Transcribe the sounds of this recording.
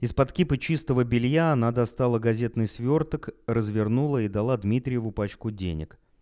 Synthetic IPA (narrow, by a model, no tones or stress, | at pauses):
ɪspɐt̪kʲipət͡ɕist̪əvəbʲɪlʲjaɐnad̪ɐst̪alˠəɡɐzʲe̞t̪nɨjsvʲo̞rt̪əkrəzvʲɪrnulˠəid̪ɐlˠad̪mʲit̪ɾʲɪjɪvʊpat͡ɕkʊdʲḛnʲɪ̰k